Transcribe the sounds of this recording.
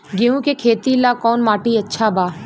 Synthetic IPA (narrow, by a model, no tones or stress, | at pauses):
ɡeːũkekʰeːt̪ilakɔːnmaːʈiɐtːʃʰabaː